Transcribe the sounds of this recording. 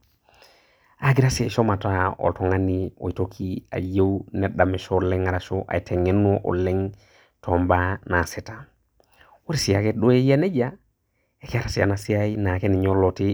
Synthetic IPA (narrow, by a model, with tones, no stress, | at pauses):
a˨ɡi˦ɾa˦si˨a˨ʃo˦ma˨tao̰˨lto˨ŋa˦nio̰˨i˨tokʰia̰˨je˦wneɗame˨ʃole˦ŋa˨ɾaʃoʔa̰˨jtʰe˨ŋe˦noʔo̰˨lːe˦ŋ | to˨mbana˨seta | wo˦ɾisi˨a˨keɗo˦je˦ja˦ne˦ɟa | e˨ke˦a˦ɾa˨si˨a̰˨nasi˦ajina˨ke˦ni˨ɲo˦loti